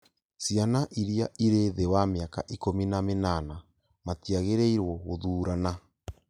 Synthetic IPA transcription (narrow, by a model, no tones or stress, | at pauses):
sianaʔiɾiaʔiɾeðewameakaʔikominamenana | matiaɣeɾeiɾwɔɣoðuːɾana